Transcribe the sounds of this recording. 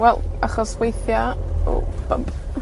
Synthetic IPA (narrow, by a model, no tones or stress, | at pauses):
wɛlˠaχɔswejθjaɔ̰b̥ə̰mp